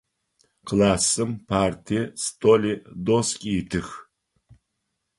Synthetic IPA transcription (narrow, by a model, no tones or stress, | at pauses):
qlaːsɨmpʰaːrtʰistʰʼolid̪oskʲʼiːtʰɨx